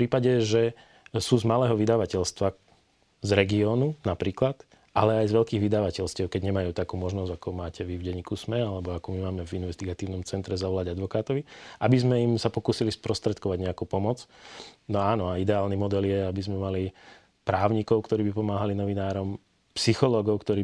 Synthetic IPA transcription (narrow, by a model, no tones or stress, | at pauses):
pɾiːpaɟɛʒɛ | suːzmalɛːɦɔʋid̪aʋacɛʎst̪ʋa | zɾɛɡiɔːnunapɾiːklat̪ | ʔalɛajzʋɛlkiːɣʋid̪aʋacɛlscɪɛʊkɛɟɲɛmajuːt̪akuːmɔʒnɔzɟakɔmaːcɛʋivɟɛɲiːkusmɛalɛbɔakuːmimaːmɛvinʋɛst̪iɡat̪iːʊnɔmt͡sɛnt̪ɾɛzaʋɔlaɟad̪ʋɔkaːt̪ɔʋiʔabizmɛimsapɔkuːsilispɾɔst̪ɾɛt̪kɔʋaɟɲɛakuːpɔmɔt͡snɔaːnɔaid̪ɛaːlnimɔd̪ɛljɛabizmɛmali | pɾaːʊɲikɔʊkt̪ɔɾiːbipɔmaːɦalinɔʋinaːɾɔm | psixɔlɔːɡɔʊkt̪ɔɾiː